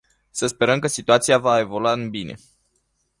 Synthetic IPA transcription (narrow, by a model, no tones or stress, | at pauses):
səspe̞ɾəmkəsit̪uat̪siavae̞vo̞luaɨnbine̞̰